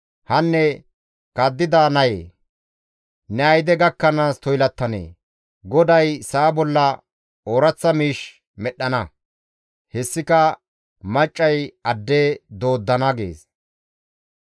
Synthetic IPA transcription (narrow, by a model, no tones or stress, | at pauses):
hɐnːɛ | kɐd̪ːɪd̪aːnɐjeː | nɛɐjd̪ɛɡɐkːɐnaːst̪ɔjlɐt̪ːɐnḛː | ɡɔd̪ɐjsaːbɔlːɐ | oːɾɐt͡sːɐmiːʃ | mɛɗːɐnɐ | hɛsːɪkɐ | mɐt͡ʃʼːɐjɐd̪ːed̪o̞ːd̪ːɐnɐɡḛːs